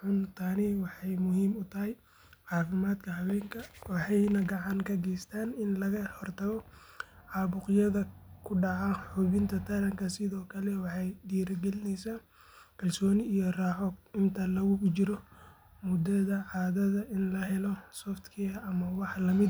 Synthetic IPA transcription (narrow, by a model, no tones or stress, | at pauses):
ħʊnt̪ʰaːniwɑħɑjmʊhiːmʊt̪ʰɐɦɛj | ʕɑːfɪmaːd̪kʰɐɦɐwɛːŋkʰɐwɑħɑjnɐɡɑʕɑŋkʰɐɡɛjst̪ʰaːnɪnlɐɣɐhɔrt̪ʰɐɣɔ | ʕɑːβʊqjɐðɐkʰʊɖɑʕaħuβɪnt̪ʰɐt̪ʰɐɾɐŋkʰɐsɪðɔːkʰɐlɛwɑħɑjɖiːɾɐɡɛlɪnɛjsa | kʰɐlsɔːnɪijɔraːħɔɪnt̪ʰɐlɐɣʊkʊt͡ʃɪɾɔ | mʊd̪ɐðɐʕɑːðɐðɐʔɪnlɐɦɛlɔsɔːft̪kʰɪɐʔɐmɐwɑħlɐmɪd̪